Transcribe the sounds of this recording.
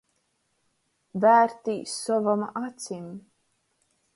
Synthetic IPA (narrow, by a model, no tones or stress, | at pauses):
væːɾt̪iːsɔvamʔat̪sʲim